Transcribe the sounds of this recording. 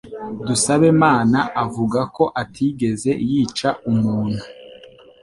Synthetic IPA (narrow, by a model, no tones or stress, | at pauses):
dusaβe̞maːnaʔavuɡako̞ʔatʰiɡe̞ze̞jiːt͡ʃaʔumuːn̥hu